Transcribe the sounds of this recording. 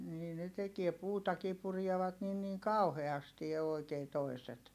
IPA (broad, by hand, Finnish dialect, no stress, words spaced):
niː ne tekie puːtɑkiː purieʋɑt nin niŋ kɑuheɑsti oˑi̯keː toi̯set